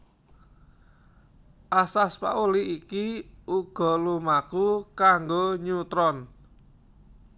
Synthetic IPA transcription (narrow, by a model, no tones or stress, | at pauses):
ʔasaspa̰ʔuliikiʔuɡ̥ɔ̤lumakukaŋɡoɲut̪ɾɔn